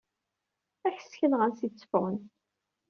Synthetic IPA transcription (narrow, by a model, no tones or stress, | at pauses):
æçə̥skənʁənsit͡sːə̥fʁən